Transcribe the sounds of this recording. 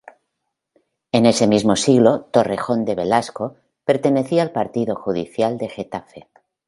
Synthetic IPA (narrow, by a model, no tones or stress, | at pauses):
e̞ne̞se̞mizmo̞siɣlo̞t̪o̞rexo̞nd̪e̞βe̞lasko | pe̞ɾt̪e̞ne̞θialpaɾt̪iðo̞xuðḭθjald̪e̞xe̞t̪afe